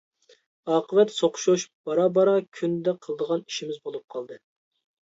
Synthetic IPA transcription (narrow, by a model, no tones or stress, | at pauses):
ɑːqəvɛt̪soqʰʃuʃb̥ɑɾɑbɑɾɑkʲʰynd̪ɛqʰəlˠəd̪əʁɑni̥ʃimɪzbolˠup̚qʰɑlˠd̪ɨ